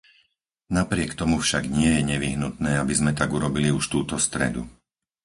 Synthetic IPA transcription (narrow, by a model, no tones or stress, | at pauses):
napɾɪɛkt̪ɔmufʃaɡɲɪɛjɛɲɛʋiɦnut̪nɛːabizmɛt̪aɡuɾɔbiliuʃt̪uːt̪ɔst̪ɾɛ̰d̪ṵ